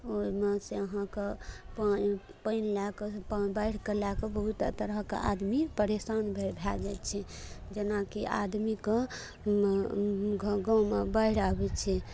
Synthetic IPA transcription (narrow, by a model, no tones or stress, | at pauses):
oimeseəɦãkepa | pəinlakepabəɪɽ̤kelakebəɦut̪ːə̰t̪əɾəkḛʔa̰d̪mipəɾesanbʱebʱad͡ʒajt̪t͡ʃʰɛd͡ʒenakiʔa̰d̪mike | ɡɡɔ̃wmebəɪɽ̤abɛt͡ʃʰɛ